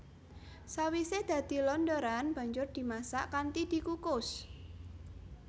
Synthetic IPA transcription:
sawised̪̥ä̤d̪̥i̤lɔndoɾanb̥a̤ɲd͡ʒʊrd̪̥i̤masaʔkant̪id̪̥i̤kukʊs

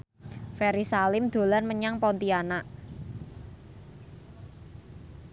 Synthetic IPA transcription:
fɛɾisalɪmd̪̥o̤lanməɲaŋpɔnt̪ianaʔ

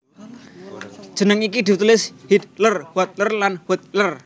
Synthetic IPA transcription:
d̥ʒ̥ənəŋikid̪i̤t̪ulɪshit̪̚lərwɔt̪̚lərlanwut̪̚lər

